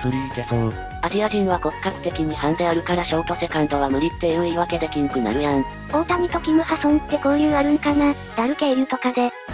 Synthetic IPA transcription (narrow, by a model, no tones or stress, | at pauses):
pɯ̟ɾʲit̪esõ | aʑiaʑĩɰ̃βako̞kɯ̥kːakɯ̟̥t̪e̞kʲiɲ̟ihãnd̪eaɾɯ̟kaɾaɕo̞ːt̪o̞se̞kãnt̪o̞β̞amɯ̟ɾʲit̪ːe̞ɯeiβake̞d̪e̞kʲĩŋkɯ̟na̰ɾɯ̟jãɰ | o̞ːt̪amʲit̪o̞kʲimɯ̟hasõnt̪ːe̞ko̞ːjɯ̟ːaɾɯ̟nokana | d̪aɾɯ̟keiɾɯ̟t̪o̞kad̪e̞